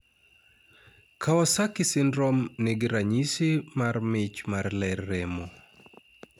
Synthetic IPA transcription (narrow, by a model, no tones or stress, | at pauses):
kʰaɔsakɪsɪnɾɔmneɡɪɾaɲisɪmarmɪt͡ʃmarlɛrːɛmɔ